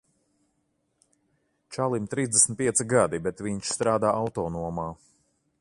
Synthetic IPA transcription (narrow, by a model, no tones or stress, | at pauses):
t͡ʃalˠimt̪ɾiːzd̪esn̩t̪̚pʲiɛt̪siɡad̪ibɛt̪viɲʃst̪ɾaːd̪aːʔawt̪ɔːnuɔmaː